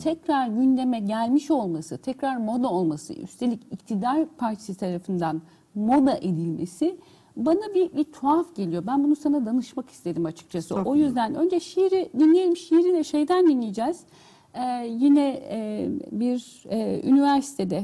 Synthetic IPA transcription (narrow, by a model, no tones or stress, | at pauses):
t̪ʰɛcɾaɾɟynd̪e̞mɛɟælʲmiʃo̞lˠmasɯt̪ʰɛcɾaɾmod̪aolˠmasɯ̰y̰st̪ʰe̞lʲicict̪ʰid̪aɾpʰaɾt͡ʃʰe̥sɯt̪ʰaɾafɯnd̪an | mo̞d̪aʔe̞d̪ilʲme̞sɪ | banabibit̪ʰoafɟe̞lʲijo̞bænbunusanad̪anɯʃmaki̥st̪ʰe̞d̪imat͡ʃʰɯ̥k̚t͡ʃʰasɯʔo̞jyzd̪ænø̞nd͡ʒɛʃijɾid̪inlʲijelʲimʃijɾilʲɛʃejd̪ænd̪inlʲijd͡ʒɛːz̥ | ɛːjinɛ | biɾ | y̰nivæɾsi̥t̪ʰe̞d̪ɛ